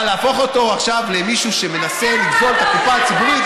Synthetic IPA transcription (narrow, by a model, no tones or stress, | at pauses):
laːfo̞χo̞t̪o̞aχʃavle̞miʃuʃe̞me̞nase̞lid̪ɡolt̪akupaːt͡sibuʁit̪